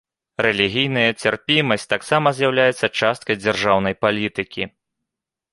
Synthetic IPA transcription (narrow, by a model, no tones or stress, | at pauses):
rɛlʲiɣʲijnɐjɐt͡sʲarpʲimɐsʲtʲt͡sʲt̪aksamɐzʲjawlʲajɛt̪sːɐt͡ʂast̪̚kɐjd͡zʲarʐawnɐjpalʲit̪ɨkʲi